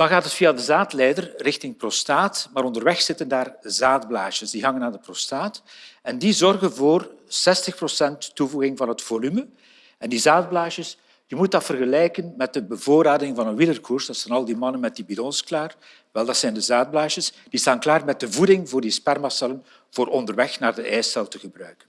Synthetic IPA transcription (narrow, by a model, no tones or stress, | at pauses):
d̥ɑnɣaːtɦətfiːadəzaːtlɛjdərrɪxtɪŋprostaːtmaːɾɔndərwɛxsɪtəndaːrzaːdblaːʃəsdiɦɑŋənaːrdəprostaːtɛndizɔrɣənvoːrsɛstəxprosɛntːuvuɣɪŋvɑnɦətfolymə | ɛndizaːd̚blaːʃəs | jəmut̚dɑtfərɣəlɛjkənmɛt̚dəbəvoːɾaːdɪŋvɑnənwɪlərkʰursdɑtsɛnɑlˠdimɑnənmɛt̚dibidɔnsklaːr | ʋɛlˠdɑtsɛndəzaːd̚blaːʃəsd̥istaːnklaːrmɛt̚dəvudɪŋvoːrdispɛrmɑsɛlən | v̥oːɾʔɔndərwɛxnaːrdəʔɛjstɛlˠtəɣəbrœɥkən